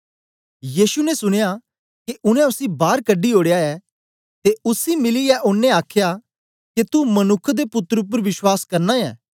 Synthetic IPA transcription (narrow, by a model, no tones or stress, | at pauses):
jiːsunɛsʊɽ̃eja | keʔʊnɛ̃ʊsibaːɾkəɖːioːɽejaɛː | t̪eʊsimɪliɛʔʊnːɛ̃aːkʰja | ket̪umɐnʊkʰːd̪epʊt̪ːəɾʊp̬əɾʋɪʃwaːskɐɾnaɛ̰ː